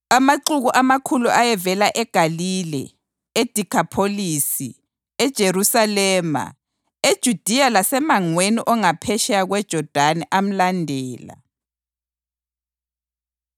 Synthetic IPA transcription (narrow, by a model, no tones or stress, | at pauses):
amaǀuɣuʔamakʰuluʔajɛvɛlaʔɛɡ̥ʱaliːlɛ̰ | ed̥ʱikʰapʰoliːsi | ɛd̥ʒ̥ʱerusalɛːma̰ | ed̥ʒ̥ʱud̥ʱijalasɛmaŋweniʔɔŋapʰɛʃɛaɣwɛd̥ʒ̥ʱɔd̥ʱanɛʔam̩landʱɛːla̰